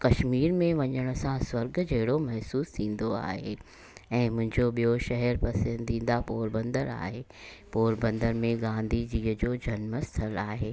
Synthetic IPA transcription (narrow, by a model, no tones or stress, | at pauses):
kɐʃmiːɾmẽʋɐɲəɽ̃ʊ̆sãswɐɾɡd͡ʑɐɦɪɽomɐɦsuːst̪ʰĩːn̆d̪oa̰ːɦe | ɛ̃ːmʊ̃ɦɪ̃ɲd͡ʑoɓijoʃɐɦɛɾpɐsə̃nd̪ʱĩːn̆d̪apoːɾbɐ̃nd̪əɾa̰ːɦeː | poːɾbə̃nd̪əɾmẽɡãːnd̪ʱid͡ʑiːəd͡ʑoːd͡ʑʱɐnməst̪ʰəlaːɦeː